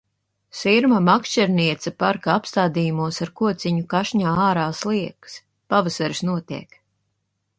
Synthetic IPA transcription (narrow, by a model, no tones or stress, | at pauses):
siɾmamakʃt͡ʃɛɾniɛt̪sɐpaɾkaapst̪aːd̪ijumuɔsaɾkuɔt̪siɲukaʃɲaːaːɾaːslˠiɛks | pavasaɾsnuɔt̪iɛk